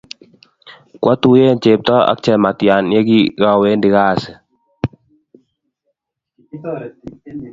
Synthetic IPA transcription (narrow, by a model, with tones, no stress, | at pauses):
kwʔa˦t̪u˨je˦˨nt͡ʃe˨p̚t̪ɔ˦a̰˨˦k̚t͡ʃɛ˨ma˨t̪ja˨nje˦ɡi˦ɣa˦we˦ndɪ˨˦ɣa˦˨sɛ˨